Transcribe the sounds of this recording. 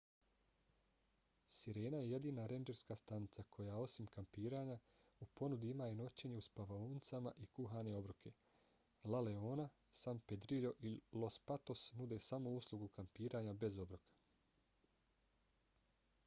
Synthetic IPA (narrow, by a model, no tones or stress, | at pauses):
siɾe̞ːnaje̞je̞d̪iːnaɾe̞nd͡ʒe̞ɾskast̪anit̪sakʰo̞jao̞simkampiːɾaːɲa | upo̞nud̪iimaːino̞t͡ɕe̞ɲeuzpaʋauːnt̪sama̰ʔikuɦaːne̞o̞bɾokʰe̞ | laleoːna | samped̪ɾiʎo̞ʔilo̞spat̪o̞snud̪e̞samouːslˠuɡukampiːɾʔaːɲabe̞zo̞bɾokʰḁ